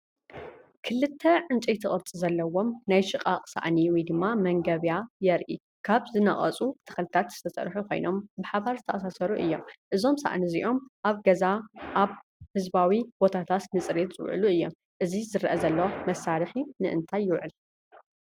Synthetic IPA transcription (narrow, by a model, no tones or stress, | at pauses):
kʰɨlːɨt̪ʰːɐʕɨnt͡ʃʼijt̪ʰɨχʼɨɾt͡sʼizɐlːɐwo̞mnajʃɨqʼaqʼsa̰ʔniwjd̪ɨmːamɐŋɡɐβjajɛɾʔi | kʰaβzɨnɐχʼɐ̰t͡sʼut̪ʰɐ̥xɐlɨt̪ʰat̪z̥ɨ̥t̪ʰɐsʼɐ̰ɾħukʰo̞̰jno̞mbɨħaβaɾzɨt̪ʰɐʔʼɐsasɐɾuʔɨ̰jːo̞̰mʔɨzo̞msa̰ʔniziʔo̞mʔaβɡɐzaʔaβhɨzbawibo̞t̪ʰat̪ʰat̪nɨt͡sʼɾet̪zɨwʕɨ̰luɨjːo̞̰m | ʔɨzizɨɾʔɐzɐlːwmɐsalɨħinɨʔɨ̰nt̪ʰajːɪwʕɨl